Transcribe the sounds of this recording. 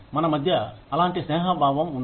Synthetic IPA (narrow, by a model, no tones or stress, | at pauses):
mɐnɐmɐd̪ʱjɐːlaːɳʈisneːɦɐbʱaːʋɐmun